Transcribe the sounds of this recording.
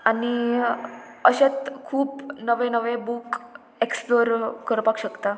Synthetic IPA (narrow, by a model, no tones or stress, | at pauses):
añi | əɕet̪kʰuːpnəʋẽnəʋẽbuk | eksploɾkːəɾpakɕəkt̪a